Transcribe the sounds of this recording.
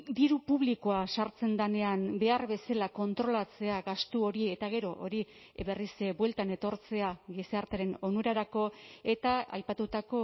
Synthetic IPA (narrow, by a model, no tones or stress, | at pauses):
d̪iɾupuβ̞liko̞asaɾt͡se̞nd̪ane̞ambe̞arβe̞salako̞nt̪ɾo̞lat͡se̞aɡast̪uo̞ɾie̞t̪aɣ̞e̞ɾo̞ʔo̰ɾi | be̞risbwe̞lt̪ane̞t̪o̞ɾt͡se̞aɣiseaɾt̪eɾe̞no̞nuɾaɾako̞e̞t̪aa̰jpat̪ut̪ako̞